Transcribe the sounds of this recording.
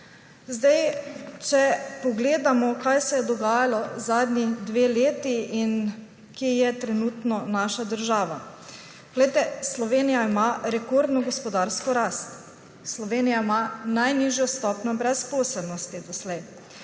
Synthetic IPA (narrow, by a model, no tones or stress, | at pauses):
zd̪ajt͡ʃɛpɔɡleːd̪amɔkajsɛjɛd̪ɔɡaːjalɔzaːd̪nid̪ʋeːleːt̪iin | kejɛt̪ɾɛnuːt̪nɔnaʃad̪əɾʒaːʋa | ɡ̥lɛjt̪ɛslɔʋeːnijaimaːɾɛkoɾd̪nɔɡɔspɔd̪aɾskɔɾaːst̪ | slɔʋeːnijaimanajniʒjɔst̪ɔːpnɔbɾɛspoːsɛlnɔst̪id̪ɔslɛj